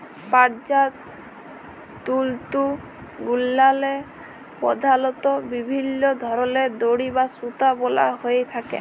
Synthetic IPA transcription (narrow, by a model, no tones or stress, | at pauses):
paɾd͡ʒat̪ | t̪ult̪u | ɡulːale | pɔ̰d̪ʱalɔt̪ɔbibʱinːɔd̪ʱɔɾɔled̪oɽibasut̪abɔla̰ɦojet̪ʰakḛ